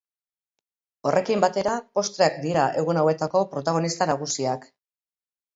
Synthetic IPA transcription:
o̞rʔe̞kimbat̪e̞ɾapo̞st̪ɾeakd̪iɾaʔe̞ɣunawe̞t̪ako̞pɾo̞t̪aɣ̞o̞nist̪anaɣ̞usiak

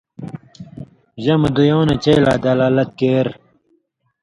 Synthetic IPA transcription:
ʑɐmɐd̪ujoːnet͡ɕɐjlaːd̪aːlaːlɐt̪̚keːɾ

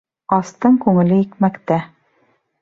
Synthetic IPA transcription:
ɑst̪ɤɴkʉŋɘ̆lɘikmækt̪æ

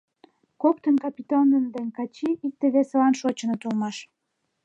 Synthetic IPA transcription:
kokt̪ənkɑpʲit̪onənd̪enʲkɑt͡ɕiʔik̚t̪eβeselɑnʃot͡ɕə̆nət̪ulmɑʃ

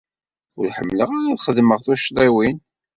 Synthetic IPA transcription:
ʊɾħəmːləʁaɾaðχəðməʁθuʃɾˤiwin

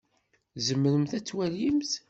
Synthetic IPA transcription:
zəmːəɾəmθæt͡sːwæljimθ

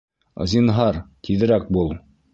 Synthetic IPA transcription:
zinɦɑɾt̪ʰiðɘ̆ɾæk̚bulˠ

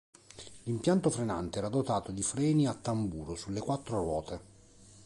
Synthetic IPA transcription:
limpjant̪ofɾena̰nt̪eɛːɾad̪ot̪aːt̪od̪ifɾɛːniat̪ːambuːɾosulːekwat̪ːɾorwɔːt̪e

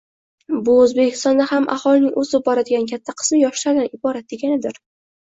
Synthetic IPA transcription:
bʊɵzbe̞kʲʰɪ̥st̪ɒnd̪ahamʔa̰hɒlɪnɪŋʔɵzɪbɒɾad̪ɪɡʲankʲʰat̪ʰːaqʰɨ̥smɪjɒʃlaɾd̪anɪbɒɾat̪̚d̪eɡʲanɪd̪ɪɾ

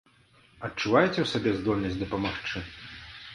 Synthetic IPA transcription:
ɐtt͡ʂːuvajt͡sʲɛwsabʲɛzd̪ɔlʲnɐsʲtʲd̪ɐpɐmaxt͡ʂɨ

